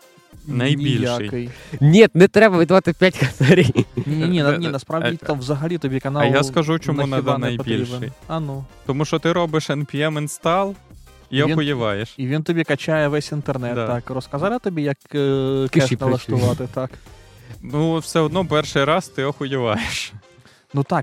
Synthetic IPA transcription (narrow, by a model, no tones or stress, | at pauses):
nɐjnʲiilʲjaɪjkɪjnʲet̪nɛt̪ɾɛbɐʋʲid̪ʋat̪ɪpʲjatʲxɐsɛɾʲijnʲenʲenʲeɛnnʲɛnɐspɾavʲit̪amʋzɐɦɐlʲit̪ɔbʲikɐnɑɐj̪askɐʒut͡ʃɔmunaid̪ɐnɐjpɐtb̪ʲilɾiʃbenɪjɐnut̪ɔmuʃɔt̪ɪɾɔbɪʃɛnpʲiɛmɛnst̪ɑlˠ | iɔʋinxʊjɪʋɑjeʃiʋʲint̪ɔbʲikɐt͡ʃajɛʋɛsʲint̪ernɛt̪ːakrɔskɐzɑlˠɪt̪ɔbʲijɐkkɛʃnɐlˠɐʂt̪ʊʋat̪ɪt̪ak | nuwsʲɛɔd̪nɔpɛrʃɨjɾɑst̪ɪɔxʊjɪʋɑjeʃ | nut̪ak̚